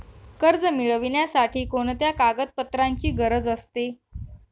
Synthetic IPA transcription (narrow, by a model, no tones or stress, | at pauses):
kəɾd͡zəmiɭəʋinjasaʈʰiːkoɳt̪jakaɡət̪̚pət̪ɾaɲt͡ɕiːɡəɾəd͡zəst̪e